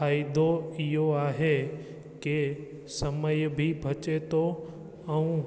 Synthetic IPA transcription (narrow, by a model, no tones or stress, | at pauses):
aːid̪ʱoɪɦoaːɦe | ke | sɐməjbʱibʱɐt͡ʃet̪ʰo | ɛ̃ũ